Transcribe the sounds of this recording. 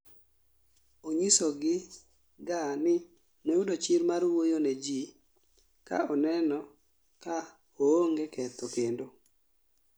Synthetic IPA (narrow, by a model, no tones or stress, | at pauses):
oɲisɔɡɪ | ɡanɪ | noudot͡ʃiɾmaɾwojonɛd͡ʒi | ka̰ɔnɛnɔ | ka | ooŋɡekɛt̪okendo